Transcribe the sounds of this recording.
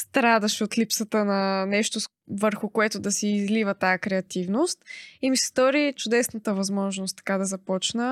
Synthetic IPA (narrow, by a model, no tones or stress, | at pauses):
st̪ɾad̪ɐʃɛot̪lipsət̪ənɐnɛʃt̪o | vəɾxʊkoɛt̪ʊd̪ɐsɛːzlivət̪aəkɾɛɐt̪ivnost̪imisɛ̥sd̪ɔɾit͡ʃʊd̪ɛsnət̪əvɐzmɔʒnost̪ːɐ̥kad̪ɐzɐpɔt͡ʃnə